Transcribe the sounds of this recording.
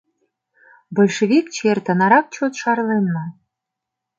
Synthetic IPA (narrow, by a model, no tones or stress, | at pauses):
bolʲʃeβikt͡ɕert̪ə̆nɑɾɑk̚t͡ɕot̪ʃɑrlenːɤ̆